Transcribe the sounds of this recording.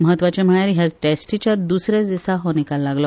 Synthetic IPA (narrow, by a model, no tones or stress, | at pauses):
məɦət̪ʋat͡ɕem̤əɳ̃aɾiɦjad͡zʈesʈit͡ɕjad̪usɾet͡sd̪isaɦɔnikalːaɡlɔ